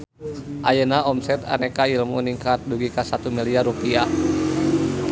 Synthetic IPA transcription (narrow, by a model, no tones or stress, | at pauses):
ʔajənaɔmsɛt̪a̰nɛkailmuniŋkat̪̚duɡikasat̪umiliaɾupia